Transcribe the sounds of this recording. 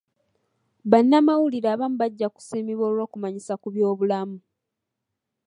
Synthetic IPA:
βanːamawuliɾaːβamuβaɟːaku̥siːmiβo̞ːlwo̞ːkumaɲisakuβjo̞ːβulamu

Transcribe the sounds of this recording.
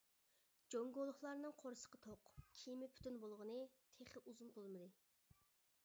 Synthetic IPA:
d͡ʒoŋɡolˠʊχlˠɑɾnɨŋqʰoɾɨsə̥qət̪ʰoqkʲʰimɪpʰy̥t̪ynbolˠʁənɨt̪ʰeχɪʔuzunbolˠmɨd̪ɨ

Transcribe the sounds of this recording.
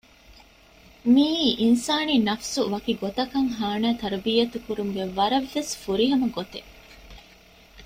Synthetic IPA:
miːʔinsaːninɐfsuʋɐkiɡot̪ɐkɐŋɦaːnæːt̪ɐɾɐbijɐt̪ukuɾuŋɡeʋɐɾɐʋːesfuɾiɦɐmɐɡot̪e

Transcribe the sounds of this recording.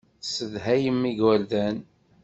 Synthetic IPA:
səðɦæjəmːiɡwælðæn

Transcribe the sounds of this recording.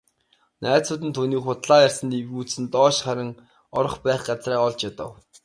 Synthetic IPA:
næːt͡sʊːt̪ɘ̆nt̪ʰuːniːχʊt̪ɮaːjarʲsə̆niwɣuːt͡ssɘ̆nt̪ɔːʃχaɾʲɪ̆ŋ | ɔɾɞ̆χpæːχɢat͡sraːɔɮt͡ɕjat̪ə̰̆w

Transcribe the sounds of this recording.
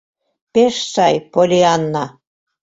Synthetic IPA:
peʃsɑjpolʲiɑnːɑ

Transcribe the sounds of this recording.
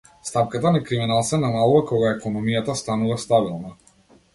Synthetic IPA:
st̪ap̚kat̪anakɾiminalˠsɛnamalˠuvakɔɡaɛkɔnɔmijat̪ast̪anuvast̪abilˠna

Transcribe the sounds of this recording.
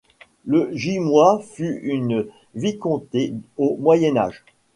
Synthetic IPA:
ləʒimwafyyn | vikɔ̃t̪eomwajɛna̰ːʒ

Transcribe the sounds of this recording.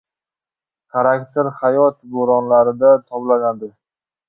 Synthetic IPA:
kʰaɾakt̪ʰeɾχajɒt̪boɾɒnlaɾɪd̪at̪ʰɒblanad̪ɪ

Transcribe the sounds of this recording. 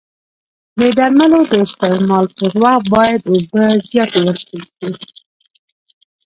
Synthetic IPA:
d̪əd̪aɾmalod̪əɪst̪ɪmɑlpəɾwɑχ̚bɑjad̪obəzjɑt̪awəsp̪əlki

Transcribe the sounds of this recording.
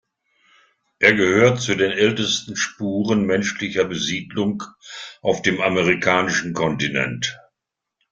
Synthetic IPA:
ʔeːɐɡəhøːɐtt͡sudeːnʔɛltəstn̩ʃpuːʁənmɛnʃlɪçɐbəziːdlʊŋkʔaʊfd̥eːmaməʁ̞ikʰaːnɪʃn̩kʰɔntinɛ̰nt

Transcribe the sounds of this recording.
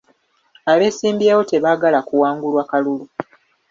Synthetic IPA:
aβe̞ːsiːmbjeːwo̞te̞βaːɡalakuwaːŋɡulwaːkalulu

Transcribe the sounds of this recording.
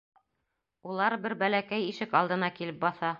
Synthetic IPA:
ulˠɑɾbɘɾbælækæjiʃɘkɑlˠd̪ɤ̆nɑkilɘp̚bɑθɑ

